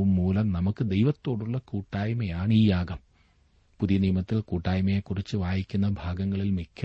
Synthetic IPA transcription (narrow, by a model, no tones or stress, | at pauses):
umːuːlɐmnɐmukːɨd̪ejʋɐt̪ːo̞ːɽuɭːɐkuːʈːaːjmɐjaːɳiːjaːɡɐm | puðijɐnijmɐt̪ːilkuːʈːaːjmɐjekːurit͡ɕːɨʋaːjikʲːunːɐbʱaːɡɐŋːɐɭilmikʲʰːɐ